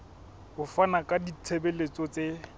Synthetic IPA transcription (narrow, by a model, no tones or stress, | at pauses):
hʊfanakʼadit͡sʰebɛlet͡sɔt͡se